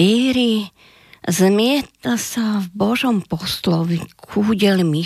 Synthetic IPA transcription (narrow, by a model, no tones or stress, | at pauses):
iːɾi | zmɪɛt̪asavbɔʒɔmpɔslɔʋikʰuɟɛlmi